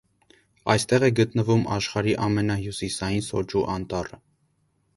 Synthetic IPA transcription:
ɑjst̪ɛʁɛɡət̪nəvumɑʃχɑɾiʔɑmɛnɑɦjusisɑjinsɔd͡ʒuʔɑnt̪ɑrə

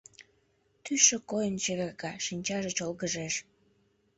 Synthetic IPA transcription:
t̪yʃĕkojənt͡ɕeβerkɑʃinʲt͡ɕɑʒet͡ɕolɣəʒeʃ

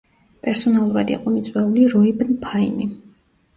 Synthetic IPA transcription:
pʼɛɾsɔnalˠuɾad̪ḭqʼɔmit̪sʼwɛuliɾɔibnpʰaini

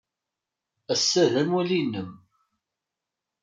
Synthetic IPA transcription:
æsːæðæmwælinːəm

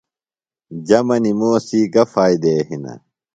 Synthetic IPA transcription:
d͡ʑɐmɐnimoːsiːkɐfaːid̪eːɦinɐ̰

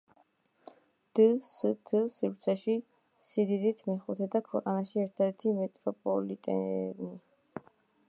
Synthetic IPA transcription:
d̪̥əsd̪ʰəsiɾt̪sʰɛʃi | sid̪id̪it̪ʰmɛχut̪ʰɛd̪akʰwɛqʼanaʃiɛɾt̪ʰɛɛɾt̪ʰimɛt̪ʼɾɔpʼɔ̰lit̪ʼɛ̰ni

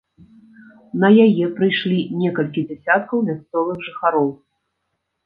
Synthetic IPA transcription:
nɐjajɛpɾɨjʂlʲinʲɛkɐlʲkʲid͡zʲɛsʲat̪̚kɐwmʲast̪sɔlˠɨxʐɨxaɾɔw

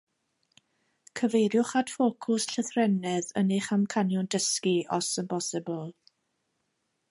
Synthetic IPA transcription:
kʰəvejɾjʊχad̥foːkʰʊsɬəθrɛnɛðə̰neχamkʰanjɔndəskiɔsənbɔsɪblˠ

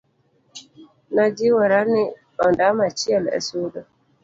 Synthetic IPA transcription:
nad͡ʒiwɛɾanɪ | ɔndamat͡ʃiɛlɛ̰sudɔ

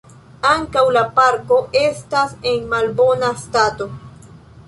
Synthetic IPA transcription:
aŋkawlapaɾko̞ʔe̞stase̞nmalbo̞nastato̞

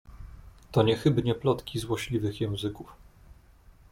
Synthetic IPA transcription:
t̪ɔɲɛxɘbɲɛplɔt̪kʲizwɔɕlʲivɘxjɛ̃w̃zɘkuf

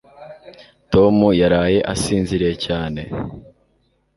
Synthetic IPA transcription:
to̞mujaɾaːje̞ʔasiːnziɾecaːne̞

